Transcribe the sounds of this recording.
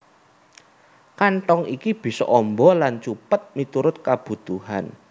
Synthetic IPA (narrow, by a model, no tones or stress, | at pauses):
kaɳʈɔŋikib̥i̤sɔ̰ʔɔmbɔlant͡ʃupət̪̚mit̪uɾʊt̪̚kab̥ṳt̪uha̰n